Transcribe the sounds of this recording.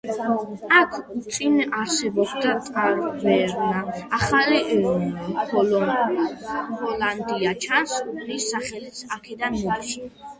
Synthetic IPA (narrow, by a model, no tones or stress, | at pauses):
akʰut̪sʼinaɾsɛbɔbd̪at̪ʼqʼaɾvɛɾnaːχali | hʰɔlɔ | bɔland̪iat͡ʃʰansulisːaχɛlit̪sʰakʰɛd̪anmɔiʃ